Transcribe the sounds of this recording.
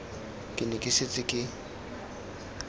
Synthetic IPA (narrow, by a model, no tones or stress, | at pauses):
kʼɪnɪkʼɪset͡sʼɪkʼɪ